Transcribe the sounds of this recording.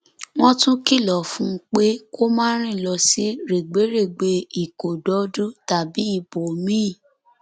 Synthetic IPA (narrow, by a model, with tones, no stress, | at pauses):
w̃ɔ̃˦tũ˦ki˦˨lɔ˨fũ˦k͡pe˦ko˦mãː˦ɾ̃ĩ˦˨lɔ˧si˦ɾe˨ɡ͡be˨˦ɾe˦˨ɡ͡be˧i˦˨ko˨dɔ˨˦du˦ta˨bi˨˦i˦˨bo˨mĩ˦˨